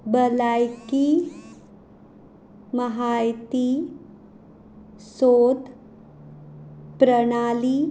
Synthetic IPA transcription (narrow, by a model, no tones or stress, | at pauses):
bəlajki | məɦajt̪i | soːd̪ | pɾəɽ̃ali